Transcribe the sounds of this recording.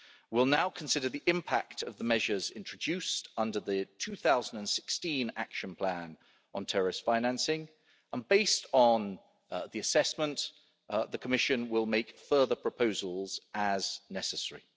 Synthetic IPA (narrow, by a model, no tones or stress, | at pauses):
wɪlˠnaʊkʰə̃n̩sɪɾəðiʔɪ̃mpʰak̚tʰəvðəmɛʒəzɪ̃nt͡ʃɹ̥əd͡ʒʉˑstʌ̃ndəðətʰʉːθaʊzn̩də̃nsɪ̥kstĩna̰kʃə̃npʰl̥æ̃n | ə̃ntʰɛɹɪstfãɪ̃næ̃nsɪ̃ŋ | ə̃nbeɪstn̩ | ðiəsɛsmə̃n | ðəkʰəmɪʃə̃nwɪlˠmeɪkfɜːðəpʰɹ̥əpʰəʊzəlˠz̥əznɛsəsɛɹḭ